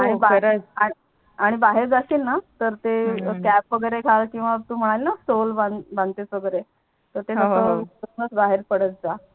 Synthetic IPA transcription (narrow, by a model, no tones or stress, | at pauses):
aɽ̃ibaɾai | aɽ̃ibaɦeɾd͡zasiːlnat̪əɾt̪ekæpʋəɡəɾekʰalkĩw̃ʋat̪uːm̤əɽ̃alinasolbanbãnɡ̪t̪et͡sʋəɡəɾe | t̪əɾt̪enəɦəəŋɡət͡sbaɦeɾpəɽət͡s̚d͡za